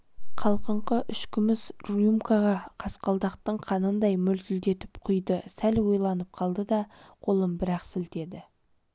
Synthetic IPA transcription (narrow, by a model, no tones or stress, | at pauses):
qʰɑlˠqəɴqəʔʏʃkʲɪmɪsrjumkaʁɑqʰɑsqɑlˠd̪ɑqt̪əɴqʰɑnənd̪ɑjmʏlt̪ɪld̪e̞t̪ɪpqʰʊjd̪əsælwojlˠɑnəp̚qʰɑlˠd̪əd̪ɑqʰo̞lˠəmbɪɾɑqsɪlt̪e̞d̪ɪ